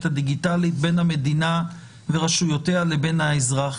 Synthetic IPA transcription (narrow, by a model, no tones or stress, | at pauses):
tad̪iɡitalit̚be̞nhame̞d̪ina | veʁaʃujoteale̞be̞nhaezʁaχ